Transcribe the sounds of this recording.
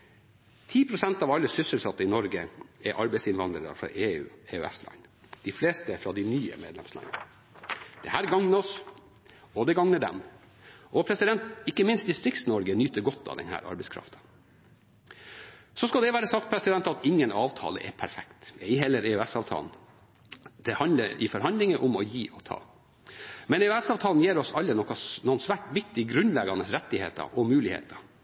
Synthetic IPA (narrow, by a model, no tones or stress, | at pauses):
t̪ʰiːpʰɾʊsɛnt̪ɑʋɑlːəsʏsəlsɑt̪ːəɪnɔɾɡəɛɾʔɑɾbɛɪsɪnʋɑnd̪ɾəd̪ə̰fɾɑ̰ʔeːʉ̰ːeːʉɛ̰slɑ̰ɪn | d̪̥ɪfleːst̪əfɾɑd̪ɪnyːə̰meːd̪lɛmslɑ̰ɪnə | d̪̥ɛhæːɾɡɑŋnəɔs | ɔd̪ɛɡɑŋnəd̪ɛ̰m | ʔɔpʰɾɛsɪd̪ɛnt̪ɪkːəmɪnst̪̚d̪ɪst̪ɾɪk̚t̪snɔɾɡənyːt̪əɾɡɔt̪ːɑ̰ʋd̪ɛ̰nhæ̰ːɾɑ̰ɾbɛɪskʰɾɑ̰ft̪ə̥ | sɔskɑld̪ɛʋæːɾəsɑkt̪pʰɾɛsɪd̪ɛnt̪ɑt̪ɪŋːənɑːʋt̪ʰɑ̰ːlə̰ʔɛ̰pʰæɾfɛkt̪ɛɪɦɛlːəɾeʉɛsɑːʋt̪ʰɑ̰ːln̩ | d̪̥ɛhɑnləɾɪ̰fɔɾhɑnd̪lɪŋəʔʊmɔjiːʔɔt̪ʰɑ̰ː | mɛnɛʉæsɑːʋt̪ʰɑːln̩jeːɾɔsɑlːənɔkːɑnɔənsʋæːʈʋɪk̚t̪ɪɡɾʉnlɛɡɑnəsɾɛt̪ːɪhḛːt̪ɑ̰ʔɔmʉːlɪhḛːt̪ɑ